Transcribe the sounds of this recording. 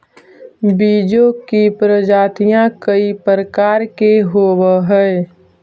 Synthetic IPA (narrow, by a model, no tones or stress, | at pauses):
biːd͡ʒokipɾəd͡ʒaːt̪ijãkəipɾəkaːɾkeɦoːwəɦɛe